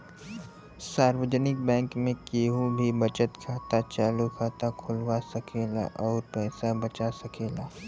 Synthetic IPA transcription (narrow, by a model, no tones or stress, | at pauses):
saːɾwəd͡ʒənɪk̚bɛ̃ːŋkmẽkeːɦũbʱibɐt͡ʃət̪kʰaːt̪at͡ʃaːlukʰaːt̪akʰʊlwasɐkʰeːla̰ʔɔːɾpɛːsabɐt͡ʃasɐkʰeːlaː